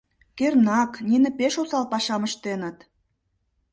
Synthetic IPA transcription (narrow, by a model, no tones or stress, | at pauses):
kernɑkninə̆peʃosɑlpɑʃɑməʃt̪enə̆t̪